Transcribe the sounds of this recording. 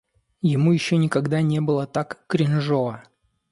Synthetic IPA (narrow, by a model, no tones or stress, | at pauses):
jɪmujɪɕːonʲɪkɐɡd̪anʲe̞bɨlˠət̪akːɾʲɪnʐoə